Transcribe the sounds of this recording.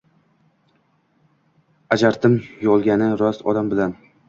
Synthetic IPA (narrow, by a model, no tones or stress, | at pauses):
ad͡ʒaɾt̪ʰɪmjɒlˠɡʲanɪɾɒsɒd̪ambɪlan